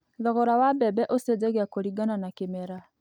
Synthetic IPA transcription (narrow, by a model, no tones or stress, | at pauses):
ðɔɣɔɾawabɛbɛʔosɛd͡zɛɣeakoɾiɡananakemɛɾa